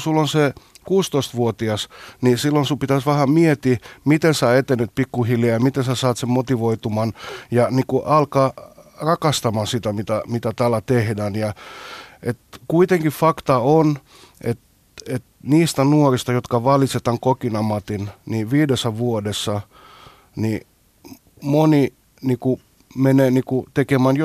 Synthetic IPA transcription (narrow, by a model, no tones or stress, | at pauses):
sulːonsekuːst̪oist̪ʋuot̪iɑsnisilːonsupit̪æsʋæhæmiet̪imit̪ensæet̪enːet̪̚pikːuhiljɑjɑmit̪ensæsɑːt̪semmot̪iʋoit̪umɑnjɑnikuʔɑlkɑːrɑkɑst̪ɑmɑsit̪æmit̪æmit̪æt̪ælːæt̪ehdæːnjɑ | ʔet̪kuit̪eŋkiffɑkt̪ɑon | ʔet̪ | et̪niːst̪ænuorist̪ɑjot̪kɑʋɑliset̪ɑŋkokinɑmɑt̪inniʋiːdesːæʋuodesːɑ | ni | moni | niːku | meneːniːkut̪ekemæːnj